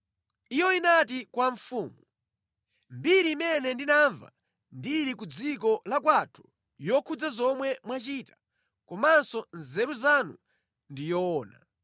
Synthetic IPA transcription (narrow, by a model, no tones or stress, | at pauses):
ijɔinatikwaɱfuːmu | mbiɾiːmɛnɛndinaɱva̰ | ndiɾikud͡zikɔlakwatʰu̥ | jɔkʰud͡zazɔmwɛmwat͡ʃitḁ | kɔmansɔnzɛɾuzanu | ndijɔːna̰